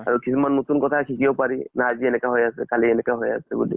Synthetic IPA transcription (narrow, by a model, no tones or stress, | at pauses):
a̰ɹukʰisimanːotunkɔtʰakʰikʰiopaɹinaːziɛnɛkaɦojasɛ̰kaliɛnɛkaɦoja̰sɛbṵlḭ